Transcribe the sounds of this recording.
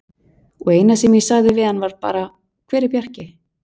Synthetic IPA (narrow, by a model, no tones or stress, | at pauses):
ɔɣeːjnasɛmjɛsaɣðɪvɪðanvaɾ̥pa̰ːɾa | kʰv̥ɛːɾɪpjar̥cɪ